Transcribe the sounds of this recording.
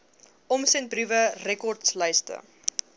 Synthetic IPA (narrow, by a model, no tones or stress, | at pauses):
ɔmsɛnt̚brivərɛkɔrtsləjstə̰